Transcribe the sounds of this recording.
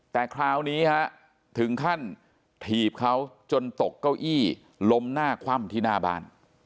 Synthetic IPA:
t̪ɛː˨˩kʰɾaː˦˥wniː˦˥kʰa˦˥ʔ | t̪ʰɯ˨˩˦ŋk̪ʰa˥˩n | t̪ʰiː˨˩p̚kʰa˦˥w | t͡ɕo˧nt̪o˨˩kːa˥˩wʔiː˥˩ | lo˦˥mnaː˥˩kʰwa˥˩mt̪ʰiː˧naː˧˩ba̰ː˧n

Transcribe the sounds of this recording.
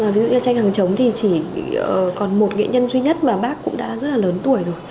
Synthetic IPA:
vi˨˦zṵ˧˨˧ɲa˧t͡ɕa˧jŋ̟ha˨˩ŋt͡ɕə˨˦wŋ͡mt̪ʰi˨˩t͡ɕi˧˩əː˨˩kɔ˨˩nmo˨˩t̚ŋḛ˧˨ɲə˧nzwi˧ɲə˦˥t̚maː˨˩ɓaː˦˥kːʊ̰˧˥ŋ͡mɗa̰ː˧˥zə˦˥t̚laː˨ləː˨˦nt̪u˧˩əjzo˨˩j

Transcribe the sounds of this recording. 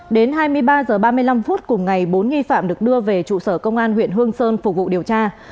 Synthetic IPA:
ɗe˨˦nɦaː˧jmɨ˧əjɓaː˧zəː˨˩ɓaː˧mɨ˧əjla˧mfu˦˥t̚kʊ˨˩ŋ͡mŋa˨˩jɓo˨˦nŋi˧fa̰ː˧˨mɗɨ˨˩ək̚ɗɨ˧əve˨˩t͡ɕṵ˧˨səː˧˩kə˧wŋ͡mʔaː˧nhwḭ˧˨ənɦɨ˧əŋsəː˧nfʊ˨˩k͡p̚vṵ˧˨ɗi˨˩əwt͡ɕaː˧

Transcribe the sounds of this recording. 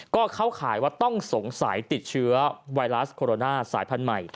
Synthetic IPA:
kɔː˥˩kʰa˦˥wkʰaː˩˦jwaː˥˩t̪ɔ˥˩ŋso˩˦ŋsa˩˦jt̪i˨˩t̪̚t͡ɕʰɯ˦˥ɐwa˧jɾa˦˥skʰoː˧ɾoː˧naː˥˩saː˩˦jpʰa˧nma˨˩j

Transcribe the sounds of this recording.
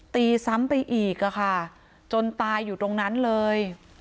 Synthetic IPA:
t̪iː˧sa˦˥mpa˧jʔiː˨˩k̚ːa˨˩kʰa˥˩ | t͡ɕo˧nt̪aː˧jːuː˨˩t̪o˧ŋna˦˥nlɤː˧j

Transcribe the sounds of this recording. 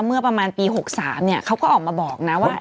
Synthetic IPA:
mɯ˥˩ɐpɾa˧maː˧npiː˧ho˨˩k̚saː˩˦mni˥˩ɐkʰa˦˥wkɔː˥˩ʔɔː˨˩maː˧bɔː˨˩k̚na˦˥waː˥˩

